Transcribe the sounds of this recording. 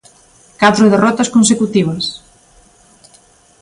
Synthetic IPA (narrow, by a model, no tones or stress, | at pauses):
kat̪ɾʊðerɔt̪ɐskons̬ekut̪iβ̞ɐs